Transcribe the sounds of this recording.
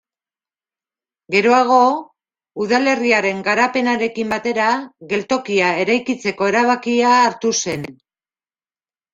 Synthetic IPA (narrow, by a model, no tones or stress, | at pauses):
ɡe̞ɾo̞aɣ̞o̞ | uðale̞riaɾe̞ŋɡaɾape̞naɾe̞kimbat̪e̞ɾaɣe̞lt̪o̞kiae̞ɾajkit͡se̞ko̞e̞ɾaβ̞akiaːɾt̪use̞n